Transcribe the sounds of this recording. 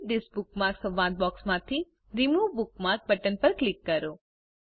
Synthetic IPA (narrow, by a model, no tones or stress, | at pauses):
ɖɪsbuk̚maɾksə̃ʋːãd̪̚bɔksmãt̪ʰi | ɾimubʊk̚maɾk̚bəʈənpəɾklikːəɾo